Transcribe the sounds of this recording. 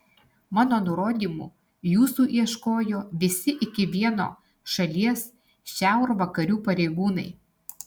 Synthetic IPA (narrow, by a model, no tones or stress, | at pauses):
mɑːnoːnʊɾoːd̪ʲiːmṵː | juːsuːʔiɛʃkoːjoːʋʲɪsʲɪʔɪkʲɪʋʲiɛno̰ː | ʃɐlʲiɛs | ʃʲæˑʊɾʋɐkɐɾʲuːpɐɾʲɛɪɡuːnɐ̰ɪ